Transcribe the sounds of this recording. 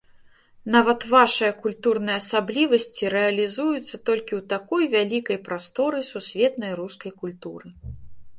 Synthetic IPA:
navɐt̪vaʂɨjɐkulʲt̪urnɨjɐɐsablʲivɐsʲt͡sʲiɾɛɐlʲizujut̪sːɐt̪ɔlʲkʲiwt̪akɔjvʲalʲikɐjpɾast̪ɔɾɨsusʲvʲɛt̪nɐjɾuskɐjkulʲt̪uɾɨ

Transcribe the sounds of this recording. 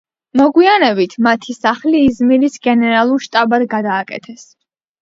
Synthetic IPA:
mɔɡwianɛbit̪ʰmat̪ʰisaχliːzmilisɡɛnɛɾalˠuɾʃt̪ʼabad̪ɡad̪aːkʼɛ̰t̪ʰɛs

